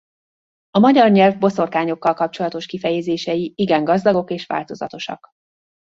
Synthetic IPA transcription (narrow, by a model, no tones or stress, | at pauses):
ɒmɒɟɒrɲɛlvbo̞so̞rkaːɲo̞kːɒlkɒp̚t͡ʃo̞lɒt̪o̞ʃkifɛjɛzeːʃɛjiiɡɛŋɡɒzd̪ɒɡo̞keːʃʋa̰ːlt̪o̞zɒ̰t̪o̞ʃɒ̰k